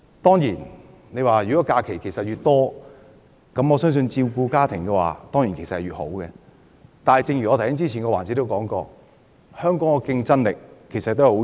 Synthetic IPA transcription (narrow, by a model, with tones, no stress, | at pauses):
t̪ɔː˥ŋjiː˨˩n | ne˨˧jwaː˨jyː˨˩kɔ˨˦˥kaː˧kʰe˨˩jkʰe˨˩jsɐ˨t̚jyː˨t̚t̪ɔː˥ | kɐ˨˦mɔː˨˧sœː˥ŋs̬ɵ˧nt͡siː˧wkuː˧kaː˥t̪ʰɪ˨˩ŋkɛː˧wa̰ː˨t̪ɔː˥ŋji˨˩ŋke˨˩sɐ˨hɐ˨jɥyː˨t̚ho̰˨˥wkɛː˧ | t̪aː˨nhɐ˨jt͡sɪ˧ŋjyː˨˩ɔ˨˧tʰɐ˨˩jhɪ˥ŋt͡siː˥t͡sʰiː˨˩nkɔː˧waː˨˩nt͡si˨˥t̪o˥wkɔː˨˥ŋkɔː˧ | hœː˥ŋkɔː˨˥ŋkɔ˧kɪ˧ŋt͡sɐ˥nlɪ˨kʰːe˨˩jsɐ˨t̪̚ːjho˧˥